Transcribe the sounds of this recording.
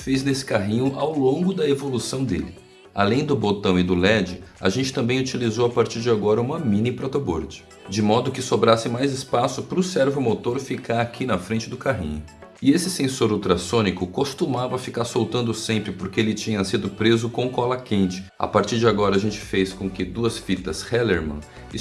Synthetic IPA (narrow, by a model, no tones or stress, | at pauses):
fejznesɪ̥kaɦĩɲʊʔawlõŋɡʊd̪ɐevolusɐ̃w̃d̪ḛlɪ | a̰lẽj̃d̪ʊbot̪ɐ̃w̃ɪd̪ʊlɛd͡ʒɪa̰ʒẽnt͡ʃɪ̥t̪ɐ̃mbẽj̃ut͡ʃilizowapaɾt͡ʃiɾd͡ʒɪaɡɔɾɐũmɐmĩnipɾɔt̪obo̰ɾd͡ʒɪ̥ | d͡ʒɪmɔd̪ʊkɪsobɾasɪ̃majzɪspasʊpɾʊsɛɾvʊmot̪oɾfikaɾakʰinɐfɾẽnt͡ʃɪd̪ʊkaɦḭ̃ɲʊ | ɪesɪsẽsoɾult̪ɾasõnikʊkost̪umavɐafikaɾsowt̪ɐ̃nd̪ʊsẽmpɾɪpoɾkeelɪt͡ʃĩɲɐsid̪ʊpɾezʊkõkɔlɐkẽnt͡ʃɪ̥a̰paɾt͡ʃiɾd͡ʒɪaɡɔɾɐaʒẽnt͡ʃɪ̥fejskõkɪd̪uɐsfit̪ɐshɛleɾmɐ̰̃